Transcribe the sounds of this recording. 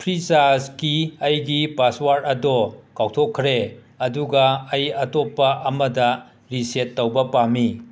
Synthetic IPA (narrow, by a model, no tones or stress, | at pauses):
pʰɾisaskiɐjɡipaswaɾɐdɔkawtʰokʰːɾe | ɐduɡɐːjɐtɔpːɐʔɐmɐdɐ | ɾisetːɐwbɐpami